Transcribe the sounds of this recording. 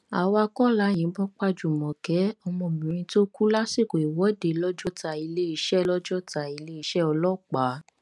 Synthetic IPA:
a˨wa˧kɔ˦la˨˦j̃ĩ˨˦bɔ˦k͡pa˦d͡ʒu˨mɔ̃˨kɛ˨˦ɔ˧mɔ̃˧˨mĩ˨ɾ̃ĩ˧to˦ku˦la˦si˦˨ko˨i˨wɔ˨˦de˧˨lɔ˦d͡ʒɔ˦ta˧i˧le˦i˧ʃɛ˦lɔ˦d͡ʒɔ˦ta˧i˧le˦i˧ʃɛ˦ɔ˧lɔ˦˨k͡pa˨˦

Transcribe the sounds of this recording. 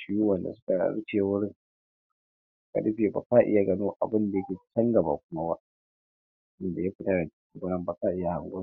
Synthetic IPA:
ʃɪ˦ju˦wɐ˨nda̰˨sʊ̥˦ka̰˨˦ɽt͡ʃeː˨wʊ˦ɽɪ˦ŋ˦ | ka̰˨ɗɪ˦ɸeː˨ba̰˨ka˦ʔɪ˦ja˨ɡɐ˦noː˦ʔa˨bɪ˦nda˨jkʲe˨˦t͡ʃɐ˦ŋɡɐ˨ba̰˨kʷʊ˦ma˦ba˦ʔ | ʔɪ˦nda˨ja˦ɸɪ˦ta˦ɽa˨di˨ɡɐ˦nɐ˦mba˨ka˦ʔɪ˦ja˨ha˨ŋɡʷo˦

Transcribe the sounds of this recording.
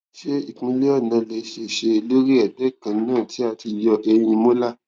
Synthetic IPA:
ʃe˦i˦˨k͡pĩ˧le˦ɔ˦˨nã˨˧le˧˦ʃe˨ʃe˧lo˦ɾi˦ɛ˨dɛ˨˦kã˨˦nãː˦˨tʰi˨˦a˧˨ti˧jɔ˧ʔe˧j̃ĩ˧mo˦la˦˨

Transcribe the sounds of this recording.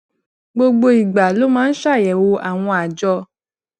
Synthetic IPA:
ɡ͡bo˧ɡ͡bo˧i˨ɡ͡ba˨lo˦mãː˦n̩˦ʃa˦˨jɛ˨wo˧ʔa˨w̃ɔ̃˧a˨d͡ʒɔ˧

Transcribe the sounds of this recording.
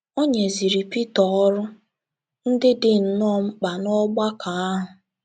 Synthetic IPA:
o˦ɲe˨zi˨ɾi˨pi˦tɔ˨˦ɔ˦ɾʊ˦ | n̩˦dɪ˦dɪ˨n̩˨nɔ˦m̩˦k͡pa˨nɔ˦ɡ͡ba˦kʰa˨a˦ɦʊ˨

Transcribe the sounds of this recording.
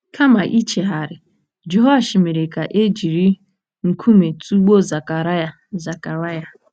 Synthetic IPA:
kʰa˦ma˨ʔi˦t͡ʃe˨ɦa˨ɾɪ˨ | d͡ʒo˦ɦɔ˦a˦˨ʃi˨me˨ɾe˨ka˨ʔe˦d͡ʒi˨ɾi˦ | ŋ̩˨kʰu˦me˨tu˦ɡ͡bo˦za˨ka˨ɾa˦ja˨ | za˨ka˨ɾa˦ja˨

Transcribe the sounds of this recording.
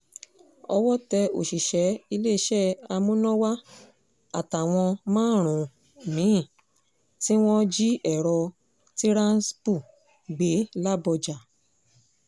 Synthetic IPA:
ɔ˧wɔ˦tɛ˧o̰˨ʃi˨ʃɛ˨˦i˧le˦˧˦ʃɛ˦a˧mũ˦nɔ̃˦wa˦ | a˦˨ta˨w̃ɔ̃˧mãː˦˨ɾ̃ũ˨ | mĩ˨˦˨ | ti˦w̃ɔ̃˦d͡ʒi˦ɛ˨ɾɔ˧ | ti˦ɾã˦n˦spu˦˨ | ɡ͡be˨˦la˦bɔ˧d͡ʒa˨

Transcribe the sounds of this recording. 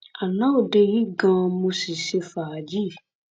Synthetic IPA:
a˨nã˦o˦˨de˧ji˦ɡã˧mo˧si˨ʃe˧fa˨d͡ʒi˦˨

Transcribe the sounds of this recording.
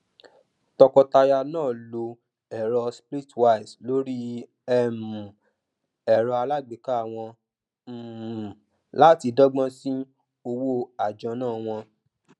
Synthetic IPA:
tɔ˧kɔ˧ta˧ja˧nãː˦˨lo˧ | ɛ˨ɾɔ˧spɾi˦twa˦˨i˨slo˦ɾi˦ | ɛ˦mũ˨ | ɛ˨ɾɔ˧a˧la˦˨ɡ͡be˨ka˦a˦˨w̃ɔ̃˧ | m̩˨ | la˦ti˧dɔ˦ɡ͡bɔ̃˦si˦ | o˧wo˦a˨d͡ʒɔ̃˧nãː˦˨w̃ɔ̃˧

